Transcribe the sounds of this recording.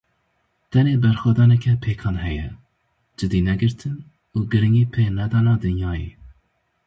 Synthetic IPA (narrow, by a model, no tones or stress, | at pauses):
t̪ʰɛneːbɛɾxʷwɛd̪ɑːnɛkʰɛpʰeːkʰɑːnɦɛjɛ̰ | d͡ʒɨd̪iːnɛɡɨɾt̪ʰɨn | uːɡɨɾɨŋɡiːpʰenɛd̪ɑːnɑːd̪ɨnjɑːjḛː